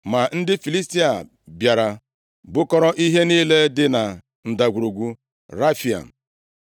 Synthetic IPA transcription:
ma˨n̩˦dɪ˦fi˨li˦sti˦a˨ | bja˨ɾa˨ | bʊ˦kɔ˦ɾɔ˦ʔi˦ɦe˦niː˦le˦dɪ˦na˨ | n̩˨da˨ɡʷu˨ɾu˨ɡʷu˦ | ɾa˦fi˨a̰˨

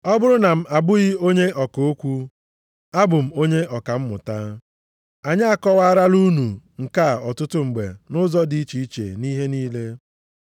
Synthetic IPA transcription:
ɔ˦bʊ˦ɾʊ˦na˨m̩˦a˨bʊ˦ɣɪ˦o˦ɲe˦ʔɔ˨ko˦kʷu˦ | a˦bʊ˨m̩˦o˦ɲe˦ʔɔ˨ka˨m̩˦mʊ̰˨ta˦ | a˨ɲa˦a˨kɔ˦wa˦ɾa˦lu˦nu˨ŋ̩˨ka˦˨ɔ˨tʊ˦tʊ˦ŋ͡m̩˨ɡ͡bḛ˨nʊ˦zɔ˦di˨i˦t͡ʃi˨i˦t͡ʃḛ˨ni˦ɦe˦niː˦le˦

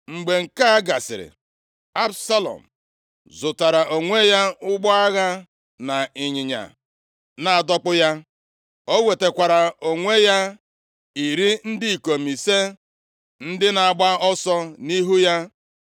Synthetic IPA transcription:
ŋ͡m̩˨ɡ͡be˨ŋ̩˨ka˦a˦ɡa˨sɪ̰˨ɾɪ̰˨ | a˦bsa˦lɔ̰˨m̩˨ | zʊ˨ta˨ɾa˨ʔo˨ŋʷe˦ja˦ʊ˦ɡ͡bɔ˦a˦ɣa˦ | na˨ɪ˨ɲɪ˨ɲa̰˨ | na˨a˨dɔ˦k͡pʊ˦ja˦ | o˦we˨te˨kʷa˨ɾa˨o˨ŋʷe˦ja˦ | i˨ɾi˦n̩˦di˦i˨ko˨mi˨se˦ | n̩˦dɪ˦na˨a˨ɡ͡ba˦ɔ˦sɔ˦ni˦ɦu˦ja˦

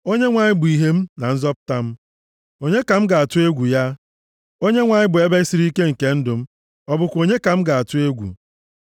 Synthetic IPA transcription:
o˦ɲe˦ŋʷa˨ɲɪ˦bʊ˨i˨ɦe˦m̩˦na˨n̩˦zɔ˦pʊ̥˦ta˦m̩˦ | o˨ɲe˦ka˨m̩˦ɡa˨a˨tʊ˦e˦ɡʷu˨ja˦ | o˦ɲe˦ŋʷa˨ɲɪ˦bʊ˨e˦be˦si˦ɾi˦ke˦ŋ̩˨ke˦n̩˦dʊ˨m̩˦ | ɔ˦bʊ˨kʷo˨ɲe˦ka˨m̩˦ɡa˨a˨tʊ˦e˦ɡʷṵ˨

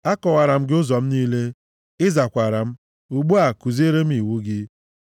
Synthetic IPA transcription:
a˦kɔ˨wa˨ɾa˨m̩˦ɡɪ˦ʊ˦zɔ˨m̩˦niː˦le˦ | ɪ˦za˨kʷa˨ɾa˨m̩˦ | u˨ɡ͡bu˦a˨ku˨zi˦e˦ɾe˦m̩˦i˨wu˦ɡɪ˦

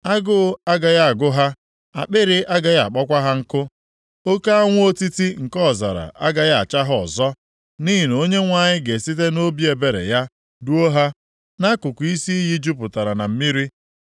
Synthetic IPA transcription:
a˦ɡʊ˦a˦ɡa˨ja˦a˨ɡʊ˦ɦa˦ | a̰˨k͡pɪ˦ɾɪ˦a˦ɡa˨ja˦˨a˨k͡pɔ˦kʷa˦ɦa˦ŋ̩˦kʊ˦ | o˦ka˦a˦ŋʷʊ˦o˦ti˦ti˦ŋ̩˨kɔ˦˨za̰˨ɾa̰˨ʔa̰˦ɡa˨ja˦a̰˨t͡ʃa˦ɦʊ˦ɔ̰˨zɔ˦ | ni˦ɦi˨n˨o˦ɲe˦ŋʷa˦˨ɲɪ˦ɡe˨si˦t̬e˦no˦bi˦e˨be˨ɾḛ˨ja˦ | du˦o˦ɦa˦ | na˦kʊ˨kʊ˨i˦si˦i˦ɦi˦d͡ʒu˦pʊ˨ta˨ɾa˨na˨m̩˦mi˦ɾi˦

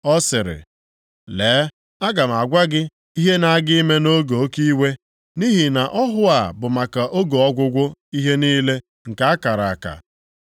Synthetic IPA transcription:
ɔ˦sɪ˨ɾɪ̰˨ | leː˨˦ | a˦ɡa˨m̩˨a˨ɡʷa˦ɡɪ˦ | i˦ɦe˦na˨a˦ɡɪ˦i˦me˦no˦ɡo˨o˦ki˦we˦ | ni˦ɦi˨na˨ʔɔ˦ɦʊ˦a˨bʊ˨ma˨ka˨ʔo˦ɡo˨ɔ˦ɡʷʊ˦ɡʷʊ˦i˦ɦe˦niː˦le˦ | ŋ̩˨ka˦a˦ka˨ɾa˨a˨ka̰˨

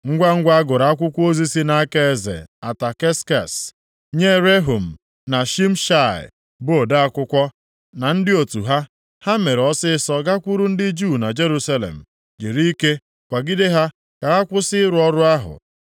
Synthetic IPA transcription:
ŋ̩˦ɡʷa˦ŋ̩˦ɡʷa˦a˦ɡʊ˨ɾa˨a˦kʷʊ˦kʷu˦o˦zi˦si˦na˦a˦ke˦e˦zḛ˨a˨ta˨ke˦ska˨s | ɲe˦ɾe˦ɦo˨m̩˨ | na˨ʃi˦m̩˦ʃa˦˨ɪ̰˨ | bʊ˦o˨da˦a˦kʷʊ˦kʷɔ˦ | na˨n̩˦dɪ˦o˨tu˨ɦa˦ | ha˦me˨ɾɔ˦sɪ˦ɪ˦sɔ˦ɡa˦kʷu˦ɾu˦n̩˦dɪ˦d͡ʒu˦˨na˨d͡ʒe˦ɾu˦sa˦lḛ˨m̩˨ | d͡ʒe˨ɾi˦i˦ke˦ | kʷa˨ɡi˦de˦ɦa˦ | ka˨a˦kʷʊ˦sɪ˦ɪ˦ɾʊ˨˦ɔ˦ɾʊ˦a˦ɦʊ̰˨

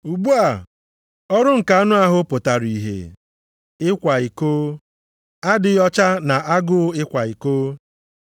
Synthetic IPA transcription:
u˨ɡ͡bu˦a˨ | ɔ˦ɾʊ˦ŋ̩˨ka˨a˦nʊ˦a˦ɦʊ˦pʊ˨ta˨ɾi˨ɦḛ˨ | ɪ˦kʷa˨i˨koː˦ | a˦dɪ˨jɔ˦t͡ʃa˦na˨a˦ɡʊ˦ɪ˦kʷa˨i˨koː˦

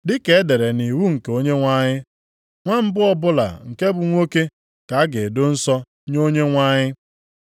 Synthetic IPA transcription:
dɪ˦ke˨e˦de˨ɾe˨ni˨wu˦ŋ̩˨ke˨o˦ɲe˦ŋʷa˦ɲɪ˦ | ŋʷa˦m̩˦bʊ˦ɔ˦bʊ˦la̰˨ŋ̩˨ke˦bʊ˨ŋʷo˦ke˦ | ka˨a˦ɡɪ˨dʊ˦n̩˦sɔ˦ | ɲo˦ɲe˦ŋʷa˦ɲɪ˦

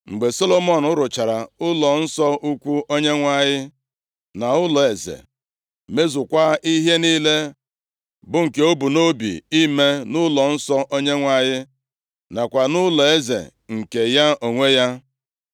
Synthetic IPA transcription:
ŋ͡m̩˨ɡ͡be˨so˦lo˦mɔ˦˨nʊ˦ɾʊ˨t͡ʃa˨ɾa˨ʊ˦lɔ˨n̩˦sɔ˦ʔu˦kʷu˦o˦ɲe˦ŋʷa˦ɲɪ˦ | na˨ʊ˦lɔ˨e˨zḛ˨ | me˦zʊ˨kʷa˦i˦ɦe˦niː˦le˦ | bʊ˦ŋ̩˨ke˨˦o˦bu˨no˦bḭ˨i˦me˦nʊ˦lɔ˨n̩˦sɔ˦ʔo˦ɲe˦ŋʷa˦ɲɪ˦ | na˨kʷa˨nʊ˦lɔ˨e˦zḛ˨ŋ̩˨ke˨ja˦o˨ŋʷe˦ja˦

